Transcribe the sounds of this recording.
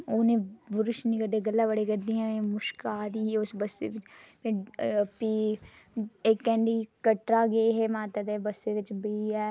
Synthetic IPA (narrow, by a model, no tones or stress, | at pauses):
oːnẽːbʊɾʊʃniːkəɾd̪eːɡəlːaːbəɽeːkəɾd̪iːãːẽːmʊʃkaːd̪iːʊsbəsːḛːʋɪt͡ʃmẽːpiː | eːkːɛ̃ːɳɖiːkəʈɾaːɡeːɦeːmaːt̪ad̪eːbəsːeːʋɪt͡ʃbəiːɛː